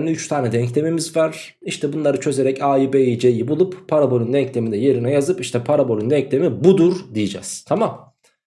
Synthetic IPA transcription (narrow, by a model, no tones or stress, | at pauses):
nɛyt͡ʃt̪ʰaːnɛd̪ɛɲclʲemimizvaɾ̥ | iʃt̪ʰɛbunlˠaɾɯt͡ʃʰø̞ze̞ɾɛcʰaːiːbeid͡ʒejibulˠupʰːaɾabo̞lʲynd̪ɛɲclʲe̞mind̪ɛje̞ɾinɛjazɯpiʃt̪ʰɛpʰaɾabo̞lʲynd̪ɛɲclʲe̞mibud̪uɾd̪ijid͡ʒɛ̰z̥t̪ʰamam